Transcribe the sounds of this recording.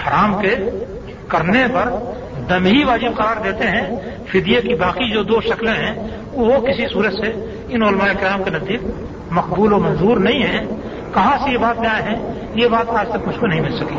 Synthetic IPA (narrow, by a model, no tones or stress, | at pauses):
hɐɾaːmke | kɐɾnepɐɾ | d̪ɐmɦiʋaːd͡ʒɪb̚qɐɾaːɾd̪eːt̪eɦɛ̃ | fɪd̪jekibaːqid͡ʒoːd̪oːʃɐklẽɦɛ̃ | ʊɦokɪsisuːɾət̪se | ɪnʊlmaːekɪɾjaːmkenɐzd̪iːk̚ | mɐqbuːloːmɐ̃nzuːɾnɐɦĩɦɛ̃ | kɐɦãsejebaːt̪̚mẽaːeɦɛ̃ | jebaːt̪aːd͡ʒt̪ɐkmʊt͡ʃʰmenɐɦĩmɪlsɐkiː